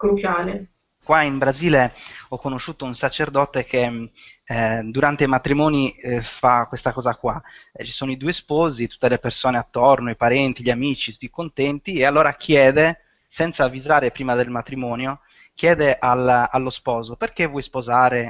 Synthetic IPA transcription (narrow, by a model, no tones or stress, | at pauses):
kɾut͡ʃaːle | kwaimbɾaziːleɔkːonoʃːuːt̪ounsat͡ʃerd̪ɔt̪ek̟e | d̪uɾant̪eimat̪ɾimɔːnifakːwest̪akɔːzakwat͡ʃi̥soːnoid̪uespɔːzit̪u̥t̪ːelepersoːneat̪ːornoipaɾɛnt̪iʎiamiːt͡ʃisikont̪ɛnt̪iealːɔːɾakʰjɛːd̪e | sɛnt̪saːvːizaːɾepɾiːmad̪elmat̪ɾimɔːnjo | k̟jɛːd̪eʔalalːospɔːzoperkevwɔjspozaːɾe